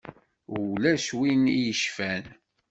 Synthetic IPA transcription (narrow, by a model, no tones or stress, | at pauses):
læswinijəʃfæn